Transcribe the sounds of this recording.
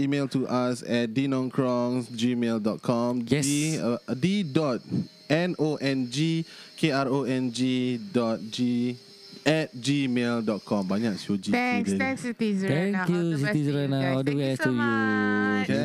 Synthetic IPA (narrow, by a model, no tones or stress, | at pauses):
imeltuʔasɛt̚dinɔ̃nkʰɹɔ̃ŋsd͡ʒimeldɔt̚kʰɔ̃mɛididɔt̚ | ɛ̃noʔɛ̃nd͡ʒikʰeaɹoɛ̃nd͡ʒidɔt̚d͡ʒi | ɛt̚d͡ʒimeldɔt̚kʰɔ̃mbaɲaksod͡ʒiŋdət̪ŋsut̪izɛ̃ŋkjusiizɹanadowɛstujuke